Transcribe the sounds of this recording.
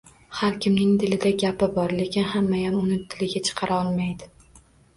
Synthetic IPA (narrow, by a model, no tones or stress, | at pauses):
haɾkʲʰɪmnɪŋd̪ɪlɪd̪aɡʲapɪbɒɾle̞kʲɪnhamːajamʊnɪt̪ʰːɪlɪɡʲat͡ʃʰɨ̥qʰɑɾaɒlˠmajd̪ɪ